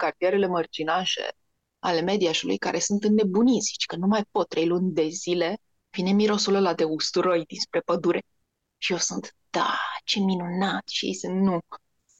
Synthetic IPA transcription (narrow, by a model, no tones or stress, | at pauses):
kart̪ije̞ɾe̞le̞mərd͡ʒinaʃe̞̰ | a̰le̞me̞d̪iaʃulṵjka̰ɾʔe̞sunt̪ɨnːe̞bunisʲt͡ʃkənumajpo̞t̪ːɾe̞jlunʲd̪e̞zile̞ | vine̞miɾo̞suləlad̪e̞ust̪uɾojd̪inspɾe̞pəd̪uɾe̞ | ʃije̞wsunt̪d̪̥at͡ʃe̞minunat̪ʃijejsɨnt̪nu